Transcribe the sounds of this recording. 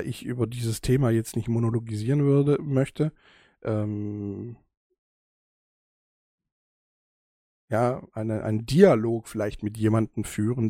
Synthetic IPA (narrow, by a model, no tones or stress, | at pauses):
ʔɪçʔyːbɐdiːzəstʰeːmaːjɛt͡stnɪçtmonoloɡiziːʁənvʏɐdəmœçtə | ʔɛːm | jaːʔaɪnəʔa̰ɪndialoːkfɪlaɪçtmɪtjeːmandn̩fyːʁən